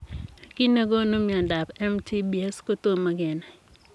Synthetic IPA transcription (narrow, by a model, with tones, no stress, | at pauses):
ki˦ne˦ɡo˦no˦mi˨ɔ˨nda˨pɛ˦mtʰi˦bi˨ɛ˦sko˦t̪o˦ma˦ɡɛ˨nɛ˨